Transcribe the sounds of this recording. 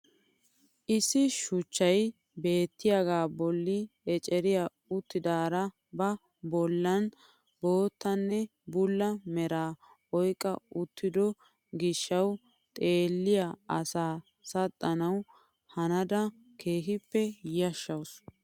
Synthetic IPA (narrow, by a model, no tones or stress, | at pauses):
ʔɪsːɪʃʊt͡ʃːɐj | be̞ːt̪ːɪjɐɡaːbɔlːɪɛt͡ʃʼɛɾɪja | ʊt̪ːɪd̪aːɾɐ | bɐ | bɔlːɐn | bo̞ːt̪ːɐnːɛ | bʊlːɐmɛɾaː | ɔjkʼːɐʊt̪ːɪd̪ɔ | ɡɪʃːɐw | t̪ʼe̞ːlːɪjaɐsaː | sɐt̪ʼːɐnɐw | hɐnɐd̪ɐ | kʰe̞ːɦɪpːɛjɐʃːɐws